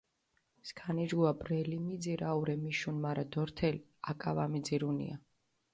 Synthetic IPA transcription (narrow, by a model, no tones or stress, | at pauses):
skʰanid͡ʒɡuabɾɛlimid̪ziɾauɾɛmiʃunmaɾad̪ɔɾt̪ʰɛliakʼavamid̪ziɾunḭa